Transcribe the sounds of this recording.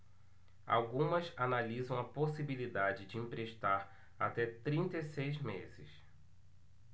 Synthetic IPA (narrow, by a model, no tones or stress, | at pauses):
a̰wɡũmɐzanalizɐ̃w̃ɐposibilid̪ad͡ʒɪd͡ʒɪĩpɾeʃt̪aɾ | a̰t̪ɛt̪ɾĩnt̪esejzmḛzɪ̰s